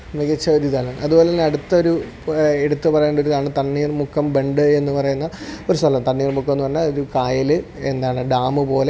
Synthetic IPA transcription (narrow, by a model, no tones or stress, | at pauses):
ʋeɡɐt͡ɕːɐɾiðaːlɐɳɐðubo̞ːlenːɐɽut̪ːɐo̞ɾu | eɽut̪ːɨpɐrɐjeɳɖo̞ɾuðaːɳɨt̪ɐɳːiːrmukʰːɐmbe̞ɳɖɨe̞nːɨpɐrɐjunːɐo̞ɾusɐlɐmt̪ɐɳːiːrmukːɐmenːɨpɐrɐɲːaloɾukaːjɐlɨe̞nd̪aːɳɨɖaːmɨpo̞ːle̞